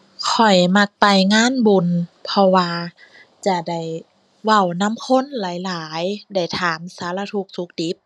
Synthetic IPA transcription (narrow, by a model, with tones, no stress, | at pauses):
kʰɔ˨˩jma˧k̚pa˨jŋaː˧˥˨nbu˧˨npʰɔ˧waː˧ | t͡ɕa˧˩da˧˩j | wa˧˩wna˧˥˨mkʰo˧˥˨nlaː˨˦jlaː˨˦jda˧˩jt̪ʰaː˩˦msaː˨˦la˧t̪ʰu˧˦k̚su˧˦˥k̚di˧˦p̚